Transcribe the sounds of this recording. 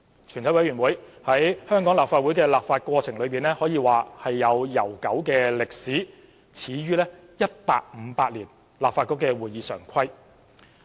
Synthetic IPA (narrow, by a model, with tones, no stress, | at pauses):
t͡ʃʰy˨˩nt̪ʰɐ˨˥wɐ˨jɥyː˨˩nwuː˨˥j | hɐ˨˥jhœː˥ŋkɔː˨˥ŋlaː˨p̚faː˧u˨˥jkɛː˧laː˨p̚faː˧t̚kwɔː˧t͡sʰɪ˨˩ŋlɵ˨˧ɥpiː˨nlɛː˥hɔː˨˥jiː˨˧waː˨hɐ˨jːɐ˨˧wjɐ˨˩wkɐ˨˥wkɛː˧lɪ˨k̚siː˨˥ | t͡sʰiː˨˥ɥyː˥lɛː˥ | jɐ˥t̚paː˧k̚m̩˨˧˦paː˧k̚liː˨˩n | laː˨p̚faː˧tkʊ˥kːɛː˧wuː˨jiː˨˧sœ̰ː˨˩ŋkʰɐ˥j